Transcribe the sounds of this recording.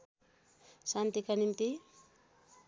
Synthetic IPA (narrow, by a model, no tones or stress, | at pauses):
sant̪ikanimt̪i